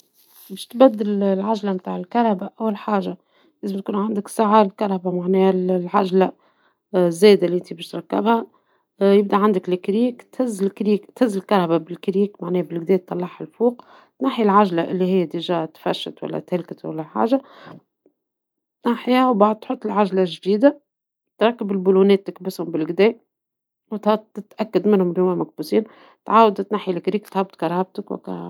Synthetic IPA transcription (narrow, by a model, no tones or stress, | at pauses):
bɪːʃt̪bæd̪ːɪllʕaʒlamt̪aːʕɪlkɑɾˤhɑbaʔæwːalħaːʒa | leːzmt̪̚kuːnʕand̪ɪksaʕalkɑɾˤhabamaʕnɛːhællʕaʒla | zːæːd̪aliʔɪnt̪ibæːʃt̪ɾˤɑkːɪ̰bhæ | jɪb̚d̪iʕand̪ɪklɪkɾiːkt̪hɪzːlkɾiːkt̪hɪzːɪlkɑɾˤhababɪlkɾiːkmaʕnɛːhbɪlɡd̪ɛːt̪ːɑlːɑħhalfuːq | t̪naħjilʕaʒlaʔɪ̰lːihɪjːt̪ɪʒat̪faʃːa̰t̪wa̰lːa̰t̪hɪlkat̪wa̰lːaħa̰ːʒa | ʔaħjaːwbaʕd̪̚t̪ħʊt̪ˤːɪlʕaʒlaʒd̪iːd̪a | t̪ɾˤɑkːabɪlbuːluneːt̪ːɪkbɪshʊmbɪlɡd̪eː | wt̪hat̪ɪt̪ʔakːad̪mɪnhʊmɪljoːmalmak̚buːsiːn | t̪ʕaːwad̪t̪naħjilɪkɾiːkt̪haːb̚t̪kɑɾˤab̚t̪akwɪ̰ka̰